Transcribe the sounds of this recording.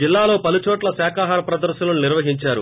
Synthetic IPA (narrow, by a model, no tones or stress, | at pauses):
d͡ʒilːaːlo̞ːpɐlut͡ʃɔːʈlɐsɛːkaːɦaːɾɐpɾɐd̪ɐɾɐnɐnuniɾʋɐɦiɲt͡ʃaːɾṵ